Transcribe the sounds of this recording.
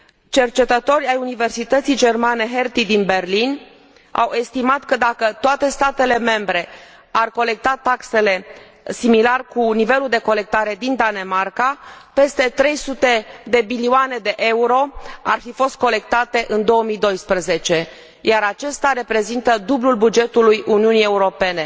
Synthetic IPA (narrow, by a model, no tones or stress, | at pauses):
t͡ʃe̞rt͡ʃe̞t̪ət̪o̞rʲajunive̞rsit̪ət̪sijd͡ʒe̞rmane̞ɦe̞rt̪id̪inbe̞rlin | a̰we̞st̪imat̪kəd̪akət̪oat̪e̞st̪at̪e̞le̞me̞mbɾe̞ | arko̞le̞k̚t̪at̪akse̞le̞ | similarkunive̞luld̪e̞ko̞le̞k̚t̪aɾe̞d̪ind̪ane̞markape̞st̪e̞t̪ɾe̞jsut̪e̞d̪e̞milioane̞d̪e̞ʔeuɾo̞arfifo̞st̪̚ko̞le̞k̚t̪at̪e̞ʔɨnd̪o̞əmijd̪o̞jspɾəze̞t͡ʃe̞ | jaɾat͡ʃe̞st̪aɾe̞pɾe̞zint̪əd̪ublulbud͡ʒe̞t̪ulujuniunije̞uɾo̞pe̞ne̞